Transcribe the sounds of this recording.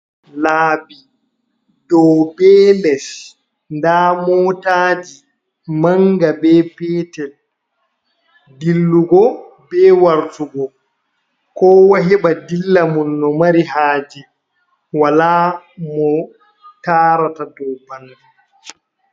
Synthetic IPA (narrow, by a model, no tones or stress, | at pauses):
laːbi | dɔwbɛːlɛs | ndamɔːtaːd͡ʒi | maŋɡabɛpɛːtɛl | dilːuɡɔ | bɛːwaɾtuɡɔ | kɔːwaɦɛbadilːamɔnːɔmaɾiɦaːd͡ʒɛ | walamɔ | taːɾatadɔwbandɛ